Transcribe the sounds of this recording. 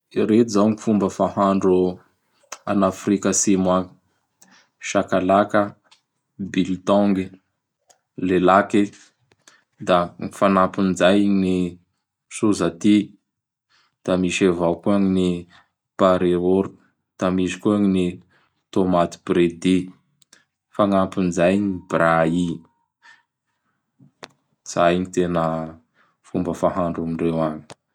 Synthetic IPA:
ɾet̪uzawŋifumbəfahaɳɖ͡ʐu | anafɾikəsimwaŋi̥ | ʃakalakə | bilt̪ɔŋɡi | lelake | d̪aŋifanapind͡ʒajni | suzat̪i | d̪̥amisevawkuaŋini | paɾeoɾu | d̪̥amisi̥kuaŋini | t̪omat̪i̥b̥ɾed̪i | faŋampinzajnibɾai | z̥ajnit̪enə | fumbəfaɦaɳɖ͡ʐumiɳrewaɲi̥

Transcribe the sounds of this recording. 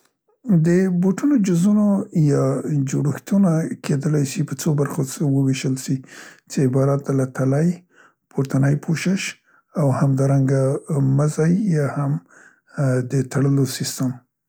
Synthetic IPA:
d̪əboʈunod͡ʒʊzunojɑd͡ʒoɽəxt̪unakʰed̪əlajʃipət͡sobaɾxosewəweʃəlʃit͡seɪbɑɾat̪̚d̪alat̪alaj | poɾt̪anəjpʰoʃɪʃ | awhamd̪ɑɾaŋɡaməzajːɑham | d̪ət̪aɽəlosɪst̪əm

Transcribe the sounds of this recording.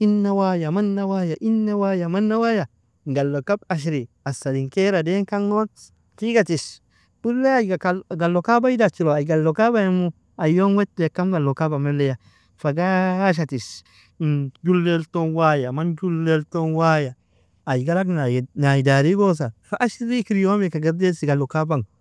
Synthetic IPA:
inːawajamanːawajaʔinːawajamanːawaja | ŋɡalːokabaʃ̬ɾi | asːadiŋkeɾadeŋkaŋːo | tiɡatis | bulːeajɡakaɡalːokabaidat͡ʃiɾoaɡalːokabajamu | ajonwetːujekːamɡalːokabamelːeja | faɡaʃ̬atis | d͡ʒulːeltonwajamand͡ʒulːeltonwajaː | jɡalaknanajidaɾiɡos̬afaʔaʃɾikiɾijomekaɡeɾdesiɡalokabaŋ

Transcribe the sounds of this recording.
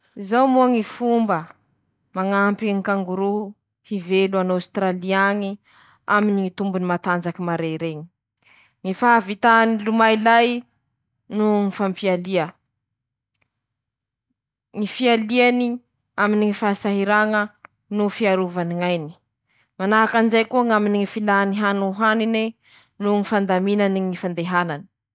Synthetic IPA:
zawmuaŋifumbə | maŋampiŋikaŋɡuɾu | hiveluanawst̪ɾaliaŋi | aminiŋit̪umbunimat̪and͡zakimaɾeɾeɲi̥ | ŋifaavit̪anilumailaj | nuŋifampialiə | ŋifialiani | aminiŋifasaɦiɾaŋə | nufiaɾuvaniŋajni̥ | manaɦakanzajkuaŋaminiŋifilaniɦanuɦanine | nuŋifand̪aminaniŋifand̪eɦanani̥

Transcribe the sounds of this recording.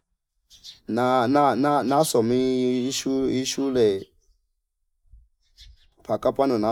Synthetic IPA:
nanananasɔmiʃuiʃulɛ | pʰakʼapʼanɔna

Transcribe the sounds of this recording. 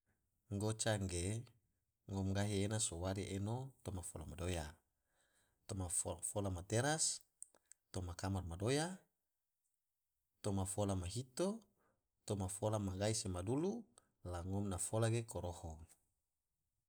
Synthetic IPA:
ŋɡot͡ʃaŋɡe | ŋɔmɡaɦienasowaɾiʔenot̪omafolamadoja | t̪omaffolamat̪eɾas | t̪omakamarmadoja | t̪omafolamaɦit̪o | t̪omafolamaɡaisemadulu | laŋɔmnafolaɡekoɾoho

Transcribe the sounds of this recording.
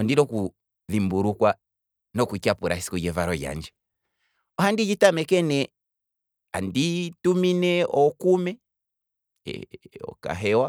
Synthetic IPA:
ɔndiɾɔku | ðimbuɾukwa | nɔkuikapuɾʔa̰isi̥kujɛvaɾɔja̰nd͡ʒɛ | ɔhandid͡ʒitamɛkɛnɛ | andituminɛɔkumɛ | ɛ̰ɔ̰ka̰ɦɛwa

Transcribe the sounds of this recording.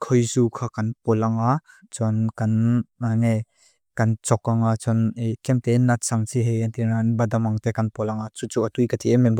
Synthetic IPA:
kʰɔjzukʰakɐnpɔlaŋa | t͡sɔnkanaŋe | kɐnt͡sɔkːaŋat͡sɔnkɛmt̪enat̪̚saŋsiɦejant̪inanbɐdamaŋt̪ɛkɐnpɔlaŋat͡sut͡suʔatujkat̪ʰiʔɛmɛŋb

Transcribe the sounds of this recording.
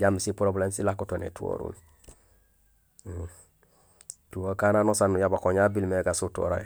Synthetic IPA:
ɟamisipuɾobulensilakutonḛtuo̰ɾṵl | tuokananosanjabakoɲabilmeɡasuto̰ɾa̰j

